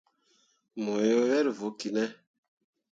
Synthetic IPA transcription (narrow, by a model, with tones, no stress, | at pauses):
mo˨jo˦wɛ˦ɾvo˨˦ki˨nɛ˦